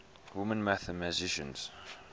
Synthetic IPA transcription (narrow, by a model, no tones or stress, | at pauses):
wʊmə̃nmæθəmæzɪʃə̃nz̥